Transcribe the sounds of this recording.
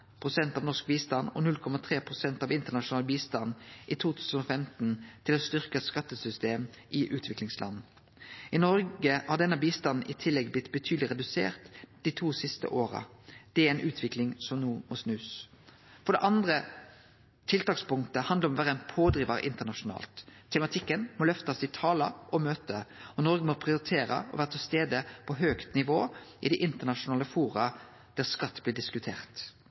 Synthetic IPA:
pʰʁʊsɛnt̪ɑːʋnɔskbiːst̪ɑnɔ̰nʉlkʰɔmɑt̪ʰʁeːpʰʁʊsɛnt̪ɑːʋɪnt̪ənɑʂʊnɑːlbiːst̪ɑnʔiːt̪ʰuːt̪ʰʉːsən̩ɔfɛmt̪nt̪ʰɪloːst̪ʏʁkəskɑt̪ːəsʏst̪eːm | ʔɪʔʉːt̪ʰʋɪklɪŋslɑ̰nː | ɪnɔɾɡəhɑd̪ɛnəɑbiːst̪ɑnn̩ʔɪt̪ʰɪlɛɡblɪt̪bət̪ʰyːd̪lɪʁɛd̪ʉsḛːʁt̪d̪̥iːt̪ʰuːsɪst̪ə̰ʔoːʁɑ̰d̪̥ɛɛɪnʔʉːt̪ʰʋɪklɪŋsɔmnuːmɔsnʉːs | fɔɖ̪ɛʔɑnd̪ɾə | t̪ʰɪlt̪ɑːkspʊŋkt̪əhɑnd̪ləɾɔmɔʋæːɾəæɪnpʰoːd̪ɾiːʋɑɾə̰ʔɪnt̪əɳɑʂʊnɑ̰ːlt̪ʰːɛmɑt̪ʰɪkːənmɔlœft̪ɑsɪt̪ʰɑːlɑɔmøːt̪əɔnɔɾɡəmɔpʰɾɪʊɾɪt̪ʰeːɾə̰ɔ̰ʋæːʁət̪ʰɪlst̪eːd̪əpʰɔɦøːkt̪nɪʋoːʔɪd̪ɪʔɪnt̪əɳɑʂʊnɑːləfuːɾɑ | d̪̥æʁskɑt̪ːb̥lɪːɖɪskʉt̪ʰḛːʁt̪

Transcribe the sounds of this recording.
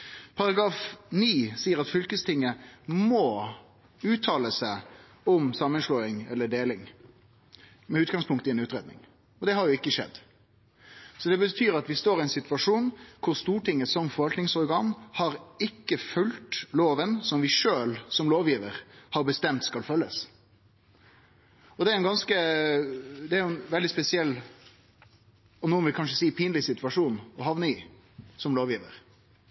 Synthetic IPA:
pʰɑɾɑɡɾɑːfniːsiːəɾɑt̪fʏlkəst̪ʰɪŋːəmɔ | ʉːt̪ʰɑːləsæɪ | ɔmsɑmːənslɔːɪŋɛ̰lːəɖeːlɪŋ | mɛʉːt̪ɡɑŋspʰʊŋkt̪ɪɛnʉːt̪ɾeːd̪nɪ̰ŋ | ɔd̪ɛhɑɾjʊɪkːəʂɛ̰d̪ː | sɔd̪ɛbət̪ʰyːɾɑt̪ʋɪst̪oːɾɪæɪnsɪt̪ʋɑʂuːnkʰʊɾst̪uːʈɪŋːəsɔmfɔɾʋɑlt̪nɪŋsɔɾɡɑːnhɑɾɪkːəfʉlt̪loːʋənsɔmʋɪʂøːlsɔmloːʋjiːʋəɾhɑɾbəst̪ɛmt̪skɑlfœlːəs | ɔd̪ɛæɾɛnɡɑnskə | d̪ɛæɾnʋɛld̪ɪspɛsɪɛlː | ɔnuːʋɪlkʰɑnʂəsiːpʰiːnlɪsɪt̪ʋɑʂuːnɔhɑʋnəɪ | sɔmloːʋjiːʋə̰ɾ

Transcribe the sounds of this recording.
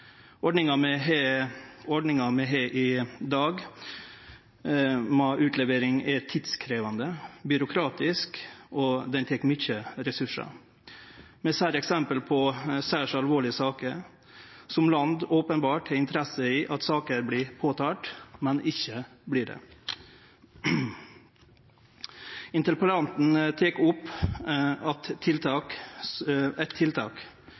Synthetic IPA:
ɔɖɳɪŋɑmɛɦeːɔɖɳɪŋɑmɛɦeʔɪd̪ɑːɡ | mɑʔʉːt̪ʰlɛʋeːɾɪŋɛt̪ʰɪd̪skʰɾeːʋɑnd̪əbʏɾʊkʰɾɑːt̪ɪskɔd̪ɛnt̪ʰɛkːmʏçəɾɛsʉʂɑ̰ | mɛsæːɾɛksɛmpəlpʰɔsæːʂɑlʋoːɭɪəsɑːkəɾ | sɔmlɑnd̪oːpənbɑːʈæɾɪnt̪əɾɛsəiʔɑt̪sɑːkəɾblɪpʰoːt̪ʰɑːʈmɛnɪçːə | blɪɖɛ̰ | ɪnt̪əɾpələɾɑnt̪n̩t̪ʰeːkʊpː | ɑt̪ʰːɪlt̪ʰɑːk | ɛt̪ʰːɪlt̪ʰɑ̰ːk

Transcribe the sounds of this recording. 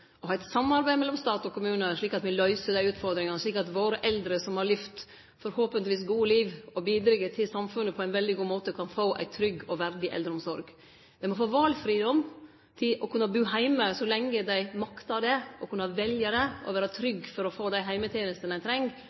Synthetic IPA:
ɔhɑːɪt̪sɑmːɑɾbæɪmɛlːɔmst̪ɑːt̪ɔkʰʊmʉːnəʂɭiːkɑt̪mɪlœʏsəd̪æɪʉːt̪fɔɾd̪ɾɪŋɑnəʂɭiːkɑt̪ʋoːɾəʔɛld̪ɾəsɔmhɑɾɭɪft̪ | fɔɾhoːpənt̪ɪʋiːs̬ɡuːəliːʋɔbiːd̪ɾɪɡːət̪ʰɪlsɑmfʉnːəpʰɔæɪnʋɛld̪ɪɡuːmoːt̪əkʰɑnfoːʔæ̰ɪt̪ʰɾʏɡɔʋæɾd̪ɪʔɛ̰ld̪ɾəɔmsɔɾɡ | d̪ɛɪmɔfoːʋɑːlfɾiːd̪ɔm | t̪ʰɪlʔɔkʰʉnːɑbʉːɦæɪməsɔlɛŋːəd̪æɪmɑkt̪ɑd̪ɛʔɔkʰʉnːɑʋɛljəɾɛɔ̰ʋæːɾət̪ʰɾʏɡfɔɾɔfoːd̪æɪɦæɪmət̪ʰjeːnəst̪ənæɪt̪ʰɾɛŋ

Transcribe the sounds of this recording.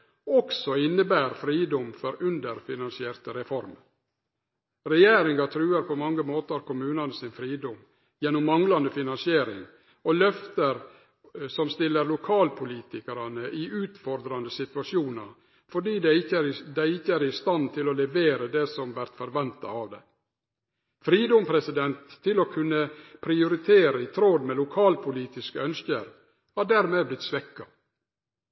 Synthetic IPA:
ɔksɔɪnːəbæːɾfɾiːd̪ɔmfɔɾʉnd̪əɾfɪnɑnsɪeːɾt̪əɾɛfɔɾm | ɾɛjeːɾɪŋɑt̪ʰɾʉːəɾpʰɔmɑŋːəmoːt̪əɑɾkʊmʉːnɑnəsɪnfɾiːd̪ɔm | jɛnːʊmːɑŋlɑnd̪əfɪnɑnsɪeːɾɪ̰ŋ | ɔlœft̪əɾ | sɔmst̪ɪlːəɾlʊkʰɑːlpʰʊliːt̪ɪkəɾɑnəʔɪʔʉːt̪fɔɾd̪ɾɑnd̪əsɪt̪ʋɑʂuːnɑɾ | fɔɖiːd̪æɪəd̪æɪɪçːəæɾɪst̪ɑnt̪ʰɪloːlɛʋeːɾəd̪ɛsɔmʋæɾt̪fɔɾʋɛnt̪ɑɑʋd̪ɛ | fɾiːd̪ɔmpʰɾɛsɪd̪ɛnt̪ʰːɪloːkʰʉnːəpʰɾɪʊɾɪt̪ʰeːɾəɪt̪ʰɾoːd̪mɛlʊkʰɑːlpʰʊliːt̪ɪskəœnskəɾ | hɑːɖæːɾmeːblɪt̪sʋɛkːɑ

